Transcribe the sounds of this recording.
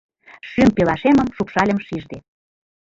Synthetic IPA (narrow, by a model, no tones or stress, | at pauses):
ʃympelɑʃemə̆mʃupʃɑlʲə̆mʃiʒd̪e